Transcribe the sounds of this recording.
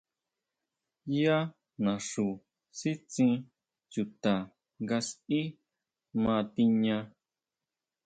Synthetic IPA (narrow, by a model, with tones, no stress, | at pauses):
ja˦ | nã˨ʂu˨ | si˦t͡sĩ˧ | t͡ʃu˨t̪a˨ | ŋɡa˧si˦ | mã˧t̪i˧ɲã˧